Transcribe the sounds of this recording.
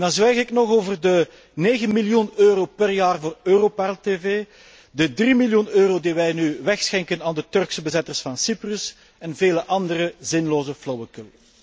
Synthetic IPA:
dɑnzʋɛjɣɪknɔxoːvərdə | neːɣənmiljunøːɾoːpɛrjaːrvoːrøːroːpalteːveː | dədrimiljunøːɾoːdiʋɛjnyʋɛxsxɛŋkənaːndətɵrksəbəzɛtərsfɑnsiprɵs | ɛnveːləʔɑndərəzɪnloːzəflowəkəl

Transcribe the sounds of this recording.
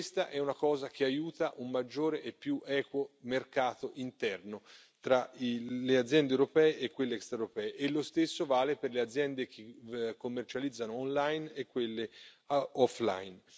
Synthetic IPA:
st̪aʔɛunakɔːzak̟ʰeajuːt̪aʔumːad͡ʒːoːɾeʔepːjuʔɛːkwomerkaːt̪oʔint̪ɛrno | t̪ɾailead̪zːjɛnd̪ewɾopɛːeʔekːwelːeɛkst̪ɾauɾopɛːeʔelːost̪esːovaːleperlead̪zːjɛnd̪ek̟ekːomːert͡ʃalid̪zːanoːnlajnekːwelːe | ɔfla̰jn

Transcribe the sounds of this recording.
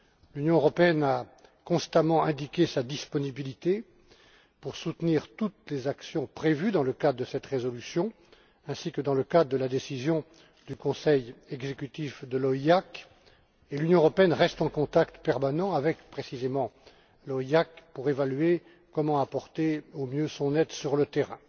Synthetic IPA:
lynjɔ̃øʁɔpeɛnakɔ̃st̪amɑ̃ɛ̃d̪ikʲesad̪ispɔnibilit̪e | puʁsut̪niʁt̪ut̪lezaksjɔ̃pχevyd̪ɑ̃ləkad̪ʁəd̪əsɛt̪ʁezɔlysjɔ̃ | ɛ̃sikəd̪ɑ̃ləkad̪ʁəd̪əlad̪esizjɔ̃ | d̪ykɔ̃sɛjɛɡzekʲyt̪ifd̪əlɔiak | elynjɔ̃əʁɔpeɛnʁɛst̪ɑ̃kɔ̃t̪akt̪pɛʁmanɑ̃avɛkpχesizemɑ̃ | lɔiakpuʁevalye | kɔmɑ̃apɔʁt̪eomjøsɔ̃nɛt̪syʁlət̪eʁɛ̰̃

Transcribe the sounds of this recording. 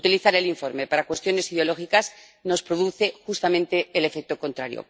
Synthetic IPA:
ut̪iliθaɾe̞liɱfo̞ɾme̞paɾakwe̞st̪jo̞ne̞siðeolo̞xikas | no̞spɾo̞ðuθe̞xust̪amẽ̞nt̪e̞ːle̞fe̞k̚t̪o̞ko̞nt̪ɾaɾjo̰

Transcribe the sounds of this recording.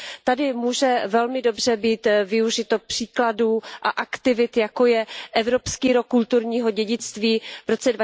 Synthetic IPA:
t̪adɪmuːʒɛvɛlmɪdo̞br̝ɛbiːt̪vɪuʒɪt̪o̞pr̥iːkladuːʔaʔakt̪ɪvɪt̪jako̞jɛʔɛvɾo̞pskiːɾokːult̪uɾɲiːɦo̞ɟɛɟɪt͡st̪viːvɾo̞t͡sɛdva

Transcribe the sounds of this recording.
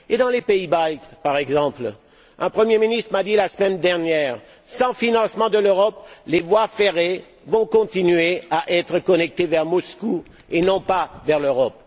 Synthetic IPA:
ed̪ɑ̃lepeibalkpaʁɛɡzɑ̃pl | ɛ̃pχəmjeminist̪χəmad̪ilasəmɛnd̪ɛʁnjɛːʁ | sɑ̃finɑ̃smɑ̃d̪əløʁɔplevwafeʁe | vɔ̃kɔ̃t̪inɥeaʔɛt̪χəkɔnɛk̚t̪evɛʁmɔsku | enɔ̃pavɛʁløʁɔp

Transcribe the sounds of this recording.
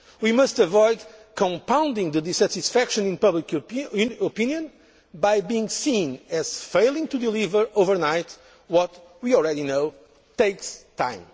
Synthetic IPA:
wimʌstəvɔɪd̪kʰɔ̃mpãw̃nd̪ĩŋðɨd̪isæt̪isfækʃɨ̃nĩnpʌblik | opĩnjɨ̃n | bajbiĩŋsĩnɨz̥feɪlˠĩŋt̪ud̪ilivə˞ovə˞naɪt̪ | wɔt̪ | wiɔl̩ˠɹɛdinoʊ | t̪eɪkst̪ʰã̰ɪ̃m

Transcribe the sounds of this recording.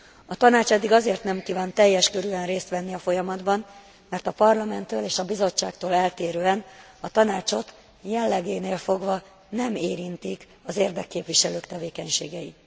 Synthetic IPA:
ɒt̪ɒnaːt͡ʃɛd̪ːiɡɒzeːrt̪nɛmkiːvaːnt̪ɛjːɛʃkøɾyɛnreːst̪ʋɛnːiɒfo̞jɒmɒd̪bɒn | mɛrt̪ɒpɒrlɒmɛnt̪ːøːleːʃɒbizo̞t͡ʃːa̰ːk̚t̪oːlɛlt̪eːɾøːɛn | ɒt̪ɒnaːt͡ʃo̞t̪ | jɛlːɛɡeːneːlfo̞ɡvɒ | nɛmeːɾint̪ik | ɒzeːrd̪ɛkːeːpʋiʃɛløːkt̪ɛveːkɛɲʃeːɡɛji

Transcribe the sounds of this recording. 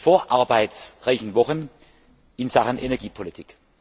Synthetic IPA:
foːɐʔaɐbaɪtsʁaɪçn̩vɔχən | ɪnz̥aχənʔenɛɐɡiːpʰolitʰɪk

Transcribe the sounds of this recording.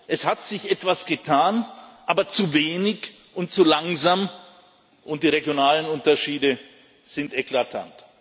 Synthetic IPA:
ʔɛshatz̥ɪçʔɛtv̥asɡ̥ətʰaːnʔaːbɐt͡suveːnɪç | ʔʊntt͡sulaŋzaːm | ʔʊnt̚d̥iːʁeɡjonaːlənʊntɐʃiːdə | z̥ɪntɛklatʰa̰nt

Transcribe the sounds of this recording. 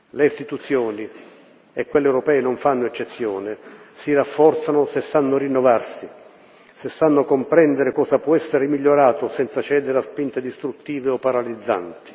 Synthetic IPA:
leist̪it̪ut̪sjoːni | ekwelːewɾopɛːenoɱfanːʊet͡ʃːet̪sːjɔːnɪsirafːɔrt̪sanʊsesːanːʊɾinːovarsi | sesːanːʊkompɾɛnd̪eɾɪkɔːsapwɔɛsːeɾemiʎːoɾaːt̪ʊsɛnt̪sat͡ʃɛːd̪eɾaspint̪ed̪ist̪ɾut̪ːiːveɔpːaɾalid̪zːa̰nt̪i̥

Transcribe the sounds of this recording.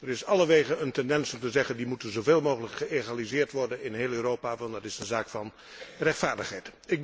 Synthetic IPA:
ərɪsɑləʋeχənəntɛndɛnsɔmtəzɛχəndimutənzoveːlˠmowχələkχəeχalizɪːɹtʋɔɹdənɪnɦeːlˠøːrowpaːʋɑndɑtɪsənzaːkfɑn | rɛχtfaːɹdəχɦɛjtɪɡ̚

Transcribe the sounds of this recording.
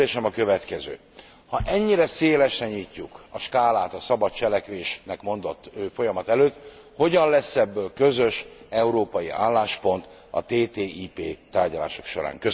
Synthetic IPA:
eːʃɛmɒkøvɛt̪kɛzø̰ː | hɒʔɛɲːiɾɛseːlɛʃrɛɲicːukɒʃkaːlaːt̪ɒsɒbɒt̪̚t͡ʃɛlɛkʋeːʃnɛkmo̞nd̪o̞t̪ːøːfo̞jɒmɒt̪ɛløːt̪ho̞ɟɒnlɛsːɛbːøːlkø̞zøʃɛuɾoːpɒjiʔa̰ːlːaːʃpo̞nt̪ | ɒ̰t̪eːt̪eːʔiːpeːt̪aːrɟɒlaːʃo̞̥kʃo̞̰ɾa̰ːŋkø

